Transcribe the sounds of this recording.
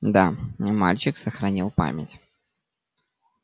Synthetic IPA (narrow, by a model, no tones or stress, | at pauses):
d̪ama̰lʲt͡ɕɪksəxɾɐnʲilˠpa̰mʲɪtʲ